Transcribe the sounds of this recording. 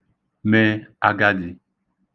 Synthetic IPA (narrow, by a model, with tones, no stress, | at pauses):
mɛ˦a˨ɡa˦di˨